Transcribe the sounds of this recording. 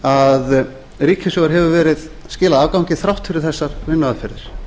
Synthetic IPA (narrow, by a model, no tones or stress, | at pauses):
að | ɾiːcʰɪsɔːɣaɾ̥ɦɛvʏvɛːɾɪð | scɪːlaaːvkawŋcɪθɾawht̪fɪɾɪɾ̥θɛsːaɾ̥vɪnːʏaðfɪɾðɪɾ̥